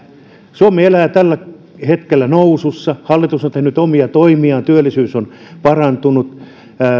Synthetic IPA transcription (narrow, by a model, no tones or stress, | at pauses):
suomeelæːt̪ælːæ | het̪kelːænoususːɑhɑlːit̪usont̪ehnyt̪omiɑt̪oimiɑːnt̪yølːˑisyːson | pɑrɑnt̪unut̪ː